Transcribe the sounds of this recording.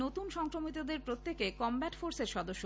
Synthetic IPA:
ot̪unʃɔŋkɾomit̪̬od̪eɾpɾot̪ːekekɔmbæʈfoɾseɾʃɔd̪oʃːo

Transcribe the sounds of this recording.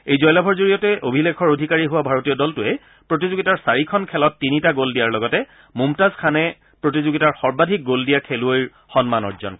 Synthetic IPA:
ejzɔjlabʱɔɹzoɹijɔtɛʔobʱilekʰɔɹodʱikaɹiɦʊwabʱaɹotijɔdɔltʊɛ | pɹotizoɡitaɹsaɹikʰɔnkʰɛlɔtːinitaɡoldijaɹlɔɡɔtɛ | mumtazkʰanɛ | pɹotizoɡitaɹxɔɹbadʱik̚ɡoldijakʰeluojɹ | xɔnmanɔ̰ɹzɔ̰n

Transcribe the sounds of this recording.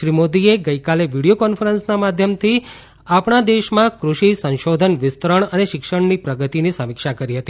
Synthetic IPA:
ʃɾimod̪ieɡəjkaleʋiɽijokɔnfʰəɾənsnamad̪ʱjəmt̪ʰi | apɳad̪eʃmãkɾuʃisə̃nʃod̪ʱənʋɪst̪ɾəɳəneʃɪkʃəɳnipɾəɡət̪inisəmɪkʃakəɾiɦət̪i

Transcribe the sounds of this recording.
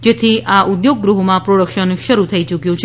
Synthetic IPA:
d͡ʒet̪ʰiaʔud̪joɡːɾuɦmãpɾoɽəkʃənʃəɾut̪ʰəit͡ʃukjõt͡ʃʰ

